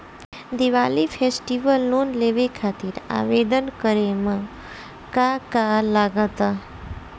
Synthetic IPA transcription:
d̪iʋalifʰesʈiʋəlːonleʋekʰat̪iɾa̰ʋed̪ənkəɾemã | kakalaɡət̪a

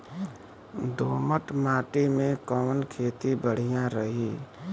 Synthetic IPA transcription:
d̪oːməʈmaːʈimẽkəmənkʰeːt̪ibəɽ̤ijãɾəɦiː

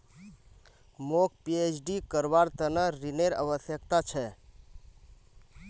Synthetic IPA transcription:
mok̚ʰpiet͡ʃʰɖikəɾbaɾt̪ənəɾineɾə̰bəsjəkt̪at͡ʃʰɛ

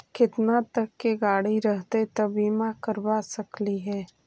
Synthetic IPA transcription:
kɪt̪nat̪ɐkːeɡaːɽiɾəɦt̪et̪ɐbiːmakəɾbasɐkliɦɛː

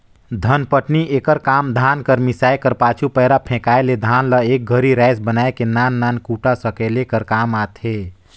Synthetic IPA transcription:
d̪ʱənpəʈnieːkəɾkaːmd̪ʱaːnkəɾmɪsaːekəɾpaːt͡ʃʰupəɦɾapʰɛ̃kaːeled̪ʱaːnləek̚ɡʱəɾiɾɛɪsbənaːekenaːnːaːnkuːʈasəkɛlekəɾkaːmaːt̪ɦeː

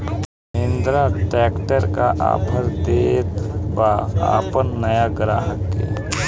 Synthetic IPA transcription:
ɪ̃nd̪ɾaʈɛːkʈəɾkaʔa̰ːpʰəɾd̪eːt̪baːa̰ːpənːəjaɡɾaːɦəkḛː

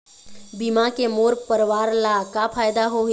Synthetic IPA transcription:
bimãkemoːɾpəɾʋaːɾlakapʰaːjd̪aɦoɦ

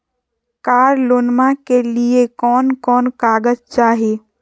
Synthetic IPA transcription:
kaːɾloːnmãkeliekɔːnkɔːnkaːɡəd͡ʒt͡ʃaːɦe

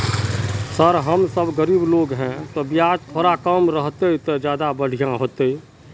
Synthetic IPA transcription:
səɾɦəmsəbɡəɾiːbloːɡɦɛ̃t̪obiaːd͡ʒt̪ʰoːɾakəmɾəɦt̪eɪt̪ed͡ʒjaːd̪abəɽ̤ijãɦoːt̪e

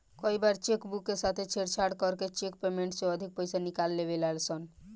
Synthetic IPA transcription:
kɔibaɾt͡ʃekbukːesat̪ʰet͡ʃʰeɽt͡ʃʰaɽkɔɾket͡ʃekpemeɳʈsoəd̪ʱik̚pəjsanikalːeβelalsɔn

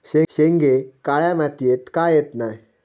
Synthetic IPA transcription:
ʃeseŋɡekaɭamat̪iet̪kajet̪naj

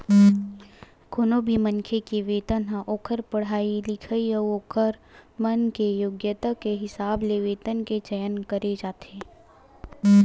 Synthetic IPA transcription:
konoːbʱimə̃nkʰekeʋeːt̪ənɦãʔoːkʰəɾpɐɽ̤aːilɪkʰəiəoːkʰəɾmənkejoːɡjət̪akeɦɪsaːbleʋeːt̪ənket͡ʃəjənkəɾed͡ʒaːt̪ʰeː

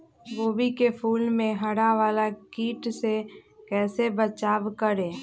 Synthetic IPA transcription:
boːbʱikepʰuːlmẽɦɐɽaʋaːlakiːʈsekɛːsebət͡ʃaːʋkəɾẽː

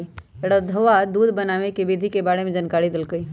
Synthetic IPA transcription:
ɽəd̪ʱəʋad̪uːd̪ʱbənaːʋekebid̪ʱikebaːɽemẽd͡ʒənkaːɽid̪ɪlkəi

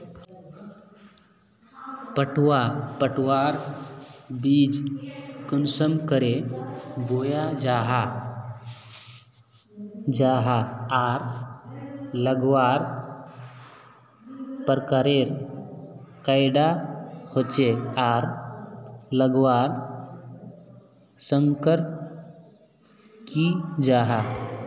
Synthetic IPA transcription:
pəʈwapəʈʰʋaɾ | bid͡ʒkənsəmkəɾebojad͡ʒaɦa | d͡ʒaɦaaɾ | ləɡwaːɾ | pəɾkaɾeɾ | kajɖahot͡ʃeaːɾ | ləɡwaːɾ | sə̃ŋkəɾt | kid͡ʒaːɦa

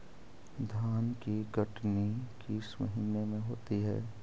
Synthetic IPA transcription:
d̪ʱaːnkiɡɐʈnikismɐ̰ɦiːnːemẽɦo̰ːt̪iɦɛ̰ː

